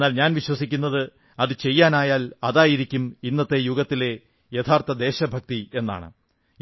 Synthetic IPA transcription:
nːaːlɲaːnʋiɕwɐsikʲːunːɐðɨ | ɐðɨt͡ɕe̞jːaːnaːjaːlɐðaːjiɾikʲːuminːɐt̪ːe̞juɡɐt̪ːile̞ | jet̪ʰaːrt̪ɐd̪e̞ːɕɐbʱɐk̚t̪ie̞nːa̰ːɳɨ̰

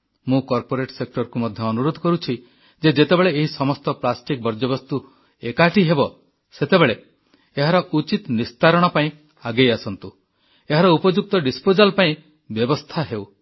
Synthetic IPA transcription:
mũkɔɾpoɾeʈsek̚ʈɔɾkumɔd̪ʱjɔːnuɾod̪ʱɔkɔɾut͡ʃʰi | d͡ʒed͡ʒet̪ebeɭeːɦisɔmɔst̪ɔplasʈik̚bɔɾd͡ʒɔbɔst̪u | ekaʈiɦebɔ | set̪ebeɭe | eɦaɾɔʔut͡ʃit̪nist̪ʰaɾɔɽ̃ɔpaĩ | aɡejasɔnt̪u | eɦaɾɔupɔd͡ʒuk̚t̪ɔɖispod͡ʒalpaĩ | bjɔbɔst̪ʰaɦew

